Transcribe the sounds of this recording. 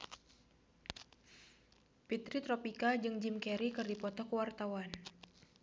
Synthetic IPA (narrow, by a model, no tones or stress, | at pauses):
pit̪ɾit̪ɾɔpikad͡ʒɨŋd͡ʒimkɛɾikɨrdipɔt̪ɔkəwart̪awan